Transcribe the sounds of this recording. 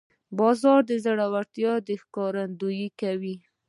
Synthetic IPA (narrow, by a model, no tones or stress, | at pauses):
bɑzɑɾd̪əzaɽawaɾt̪jɑd̪əxkɑɾand̪ujikawi